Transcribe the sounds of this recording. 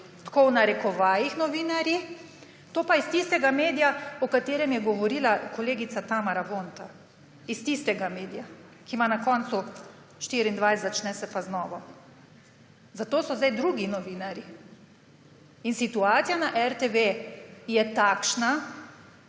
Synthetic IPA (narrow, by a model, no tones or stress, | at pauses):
t̪kownaɾɛkɔʋaːjixnɔʋiːnaɾji | t̪oːpaist̪ist̪ɛɡameːd̪ijaɔkat̪eːɾɛmjɛɡɔʋɔɾiːlakɔleːɡit̪sat̪aːmaɾaʋont̪a | ist̪ist̪ɛɡameːd̪ija | kimanakɔːnt̪su | ʃt̪iːɾind̪ʋaj̪zat͡ʃnɛsɛpaznɔːʋɔ | zat̪oːsɔzajd̪ɾuːɡinɔʋiːnaɾi | insit̪uaːt̪sijanaʔɛɾt̪eʋejɛt̪aːkʃna